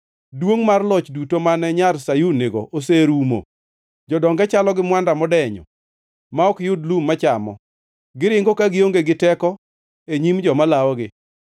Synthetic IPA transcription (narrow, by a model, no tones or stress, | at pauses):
dwoŋmarlɔt͡ʃdutomanɛɲarsajuneɡɔʔoseɾumo̰ | d͡ʒɔdɔŋɡɛt͡ʃalɔɡɪmwandamɔdɛɲɔ̰ | maɔkjʊdlumːat͡ʃamɔ̰ | ɡɪɾɪŋɡokaɡɪoŋɡeɡɪtɛkɔ | eɲimd͡ʒɔmalawɔɡɪ